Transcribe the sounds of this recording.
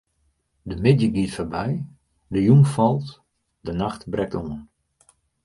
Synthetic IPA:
dəmɪdjəɡiətfərbɛj | dəjumfɔlˠt | dənaxtbrɛk̚tuən

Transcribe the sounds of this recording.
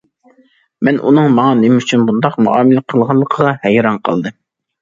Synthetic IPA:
mɛnʔṵnɨŋmɑŋɑnemɪyt͡ʃʰynbund̪ɑqmṵɑ̰ːmɪlɪqʰəlˠʁɑnlˠːəqʰəʁɑhɛjɾɑnqʰɑ̰lˠd̪ɨ

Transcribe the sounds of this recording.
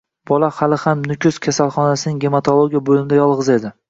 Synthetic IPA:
b̥ɒlahalɪhamnʊkʲʰʊskʲʰasalˠχɒnasɪnɪŋɡʲemat̪ʰolˠoɡʲijabolɪmɪd̪ajɒlˠʁɨze̞d̪ɪ

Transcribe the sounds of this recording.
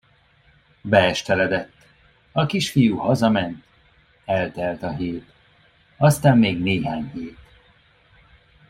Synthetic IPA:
bɛɛʃt̪ɛlɛd̪ɛt̪ː | ɒkiʃfijuhɒzɒmɛnt̪ | ɛlt̪ɛlt̪ɒɦeːt̪ | ɒst̪aːmːeːɡneːɦaːɲheːt̪

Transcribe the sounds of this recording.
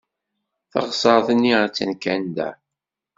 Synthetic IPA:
θɑ̰ʁsˤɑɾˤθənːiʁət͡sːænkænd̪æ̰

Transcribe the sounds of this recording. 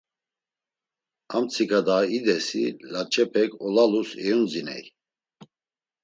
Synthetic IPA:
amt͡sʰikʰʼad̪aid̪ɛsḭlat͡ʃʰʼɛpʰɛkʰʼɔlalusɛjund͡zinɛ̰j

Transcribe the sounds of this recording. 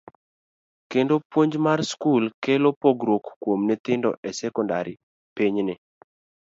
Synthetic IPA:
kendopwoɲd͡ʒmarskulkelopoɡɾokːwomnɛt̪ɪndɔ̰ʔɛsɛkɔndaɾɪ | piɲnɪ

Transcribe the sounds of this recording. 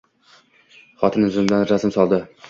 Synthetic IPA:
χɒt̪ʰɪnʊzɪmd̪anɾazɪmsɒlˠd̪ɪ

